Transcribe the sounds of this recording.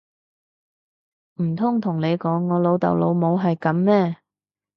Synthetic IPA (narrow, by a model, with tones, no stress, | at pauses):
m̩˨˩t̪ʰʊ˥ŋt̪ʰʊ˨˩ŋne˨˧jkɔː˨˥ŋːɔː˨˧lo˨˧wt̪ɐ̰˨wlo˨˧wmo˨˧wɦɐ˨jkɐ˨˧˥mmɛː˥